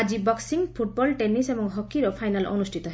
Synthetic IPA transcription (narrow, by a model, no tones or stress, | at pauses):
ad͡zibʌksiŋpʰuʈ̚bɔlʈenisemʌŋɦʌkːiɾʌpʰajnalʔɔ̰nusʈʰit̪ɔɦ